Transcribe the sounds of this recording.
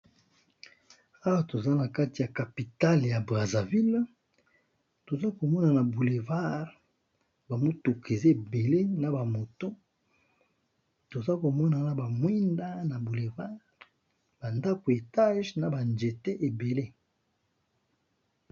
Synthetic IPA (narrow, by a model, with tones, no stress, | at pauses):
a˦wa˦to˨za˦na˨ka˦ti˨ja˨ka˨pi˨ta˦lja˨bʁa˨za˨vi˦l | to˨za˦ko˨mɔ˦na˨na˨bu˨le˨va˦ʁ | ba˨mo˦tu˨kʰe˨ze˦e˨be˨le˦na˨ba˨mo˨to˦ | to˨za˦ko˨mɔ˦na˨na˨ba˨mwi˦nda˦na˨bu˨le˨va˦ʁ | ba˨nda˦ko˨e˨ta˦ʒna˨ba˨nd͡ʒe˨te˦ʔe˨be˨le˦